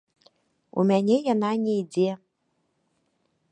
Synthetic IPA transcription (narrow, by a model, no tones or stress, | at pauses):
ṵmʲænʲejɑnɑnʲeidʲe